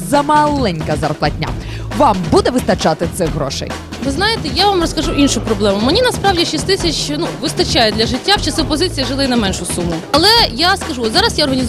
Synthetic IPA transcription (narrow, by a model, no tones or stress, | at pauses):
zɐmɐlˠɛnʲkɐzɐ̰rplˠɐt̚ʲnʲa̰ | ʋɑmbud̪ɛʋɪst̪ɐt͡ʃɑt̪ɪt̪sɛɦɾɔ̰ʃɛ̰j | ʋɪznɑjɪt̪ɛjaʋamrɔskɐʒuʔinʃʊpɾɔblˠɛmʊmenʲinɐspɾɑwdʲiʃisʲt̪ɪsʲɐt͡ʃnuʋɪst̪ɐt͡ʃajɛd̪lʲɐʒɪtʲːawt͡ʃɐsɪpɔzɪt͡sʲijɐʒɪlˠɪinɐmɛnʃʊsumʊɐlˠɛjaskɐʒuɔt̪zɑɾɐsjaɔrɦɐnʲiz